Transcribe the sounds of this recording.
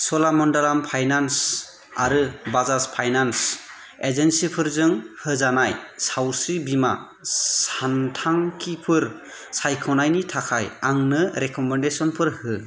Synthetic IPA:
sɔlamɔndalampʰajnans | a̰ɾɯbazaspʰajnans | ezensipʰɯɾzɯŋhɯzanajsawsibima | santʰaŋkʰipʰɯɾ | sajkʰɔnajnitʰakʰajaŋnɯɾekʰɔmendesɔnpʰɯɾhɯ

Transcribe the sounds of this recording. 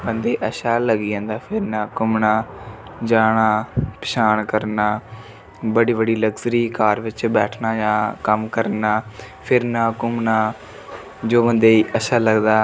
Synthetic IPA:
bənd̪eːʔəʃaːləɡiːãːnd̪aːpʰɪɾnãːkʊmnaːd͡ʒaːɽaːpɪ̥ʃaːɳkəɾnaː | bəɖiːbəɽiːləɡzɾiːkaːɾʋɪt͡ʃbɛːʈʰnaːjãːkəmkəɾnaː | pʰɪɾnãːkʊmnaː | d͡ʒoːbə̃nd̪eːiːəʃʰaːləɡd̪aː

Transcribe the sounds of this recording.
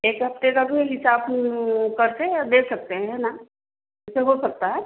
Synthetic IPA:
eːkɦɐft̪ekabʱiɦɪsaːbkɐɾsejad̪eːsɐk̚t̪eɦɛ̃na | mʊseɦosɐk̚t̪aɦɛː

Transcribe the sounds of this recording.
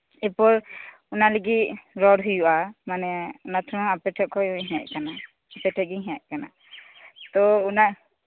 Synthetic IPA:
ɛpɔɹ | unaleɡiɾɔɽɦujuʔamanɛunat̪ʰɔɾɔŋapɛʈʰɛkʰɔjujɦɛʔkana | apɛʈʰɛɡiɦɛ̃ʔ̚kana̰ | t̪ɔːna

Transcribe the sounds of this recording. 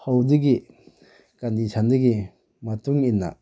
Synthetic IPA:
hawdɯɡi | kandisʰandɯɡi | mɐtuŋinːa̰

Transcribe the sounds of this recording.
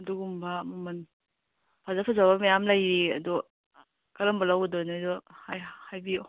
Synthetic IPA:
duɡumbamɐmɐn | pʰazapʰazabamajamlajɾiɐ̰dɔ | kɐɾɐmbalawɡedɔjnidɔhajhajbi

